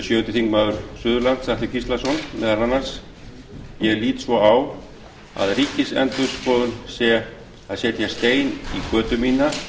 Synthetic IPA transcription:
sjœːt̪ɪθiŋkmaːðʏɾ̥sʏːðʏɾlant̪saht̪ɪcʰist̪lasɔnmɛðaɾanːaɾ̥s | jɛliːt̪svɔaw | a̰ðriːcɪsɛ̰nt̪ʏspɔːðʏnsɛ | aðsjɛːt̪jɛst̪eːjnikœːt̪ʏmiːna

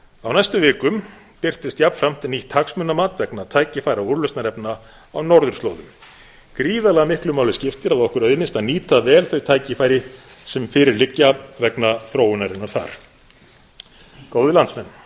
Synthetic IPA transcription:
awnajst̪ʏvɪːkʏm | pɪr̥t̪ɪst̪japfɾam̥t̪ʰɪlniht̪ʰːaksmʏnːamaːt̪vɛknat̪ʰaːjcɪfaːjɾauɾlœstnaɾɛpna | awnɔɾðʏɾ̥t̪oːwðʏm | kɾiːðalɛɣamɪhklʏmaːwlɪscɪft̪ɪɾaðɔhkʏɾœɥðnɪst̪aniːt̪avɛːlθœɥt̪ʰaːjcɪfajɾɪ | sɛmfɪːɾɪɾlɪcːavɛknaθɾoːwʏnaɾɪnːaɾθa̰ɾ̥ | koːwðɪlant̪smɛnː

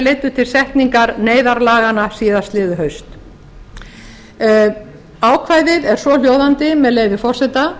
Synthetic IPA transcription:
leːjt̪ʏ̥t̪ʰɪlsɛht̪niŋkaɾneːjðaɾlaːɣanasiːðast̪lɪːðʏɦœɥst̪ | aːwkʰvaːjðɪðɛɾ̥sɔl̥joːwðant̪ɪmɛðleːjvɪfɔr̥sɛt̪a

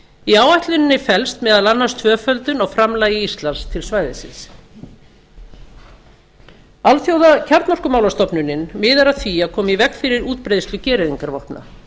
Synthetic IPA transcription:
iaːwajht̪lʏnɪnːɪfɛlst̪mɛðaðlanːast̪ʰvœːfœlt̪ʏnawfɾamlaːjɪist̪lanst̪ʰɪlsvaːjðɪsɪ̰ns | alθjowðacʰaɾt̪nɔrkʏmawlast̪ɔpnʏnːɪnmɪːðaɾaθiakʰɔːmivɛkfɪɾɪɾuːt̪̚pɾejðst̪ʏcɛːɾɪðiŋkaɾvɔhpna̰

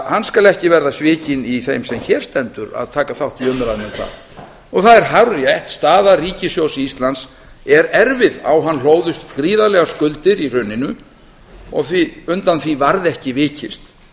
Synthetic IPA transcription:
hanːskalɛhcɪvɛɾðasvɪːcɪniθejmsɛmçɛːɾ̥st̪ɛnt̪ʏɾa̰ðt̪ʰaːkaθawht̪iœːmʏɾaðnɛmθa̰ð | ɔɣθaðɛɾ̥ɦawrjajht̪st̪aːðariːcɪsjoːwsist̪lans | ɛɾɛɾvɪða̰wɦanl̥oːwðʏst̪kɾiːðalɛɣaskʏlt̪ɪɾir̥ʏnɪnʏ | ɔ̰ɣθviʏnt̪anθvivaɾðɛhcɪvɪːcɪst̪

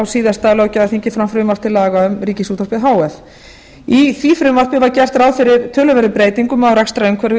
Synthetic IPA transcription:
awsiːðast̪aːlawcaðaθiɲcɪfɾamfɾʏmvar̥t̪ʰɪlːaːɣaʏmɾiːcɪsuːt̪aɾ̥pɪðɦaːwɛθ | iθvifɾʏmvar̥pɪvaɾcɛr̥t̪ɾawfɪɾɪɾt̪ʰœːlʏvɛɾðʏpɾeːjt̪iŋkʏmawɾɛkst̪ɾaʏmkʰvɛɾɪ

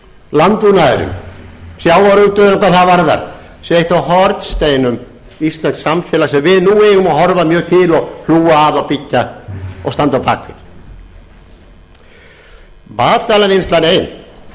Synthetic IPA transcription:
lant̪unaɪ̰ɾʏ̰msjaːwaɾut̪ʏnakʰaθavaɾða̰ɾ̥ | sejht̪awɦɔɾt̪st̪eːjnʏm | ist̪lɛnksamfjɛːlasɛmvɪðnuɛjɣʏmahɔɾvamjœːɣt̪ʰɪlɔhluːwaːðawpicːaɔ̰ɣst̪ant̪awpa̰ːkvɪ̰ð | maːt̪lt̪aːlaninst̪laɾejn

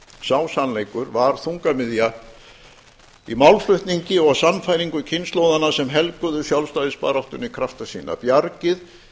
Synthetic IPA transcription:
saːwsanleːjkʏɾvaɾ̥θuŋkamɪðja | imawlflʏht̪niɲcɪɔɣsamːfajɾiŋkʏcʰɪnst̪lowðanasɛmɦɛlkʏðʏsjawlst̪ajðɪspa̰ːɾawht̪ʏnikʰɾaft̪asḭːna̰pjaɾcɪð

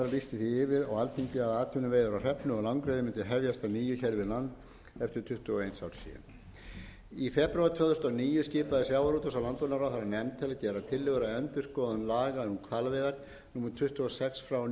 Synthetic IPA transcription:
ɾalist̪ɪθiɪvɪɾɔɣalfiɲcɪaðaːt̪ʰʏnʏveːjðʏɾawr̥ɛpnʏɔlawŋkɾejðɪmɪnt̪ɪɦɛvjast̪aniːjʏçɛɾvɪɾlant̪ | ɛft̪ɪɾ̥t̪ʰʏht̪uɔejnsawɾ̥sḭːɛ̰n | ifɛpɾɥaɾt̪ʰvœːðʏ̥st̪ɔniːjʏscɪːpaðɪsjawaɾut̪ɔsawlant̪vɔnaɾaθaɾanɛmt̪ʰɪlaðcɛːɾat̪ʰɪlːɪɣʏɾaœnt̪ʏɾ̥skɔːðʏnlaːɣaðnukʰvalvɛːða | numʏɾt̪ʰʏht̪uɔsɛksfɾaw

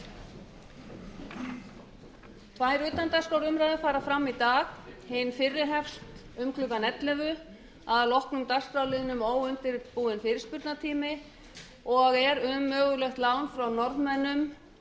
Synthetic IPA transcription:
vaːjɾʏːt̪ant̪askaːwɾʏmɾajðafaːɾafɾamːit̪aːxhɪnfɪrːɪɦɛfst̪ | ʏmkʰlʏkanɛt̪lɛvʏ | aðalɔhknʏmt̪ar̥skɾawlɪðʏnʏmoːwʏnt̪ɪɾpuːðɪnfɪːɾɪ̥spʏɾt̪nat̪ʰiːmɪ | ɔɣɛɾʏmːœːɣʏlœxt̪laːwnfɾawnɔɾðmɛnːʏm

